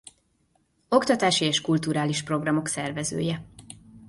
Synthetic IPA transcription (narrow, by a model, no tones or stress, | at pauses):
o̞kt̪ɒt̪aːʃieːʃkult̪uːɾaːliʃpro̞ɡrɒmo̞ksɛrvɛzø̰ːjɛ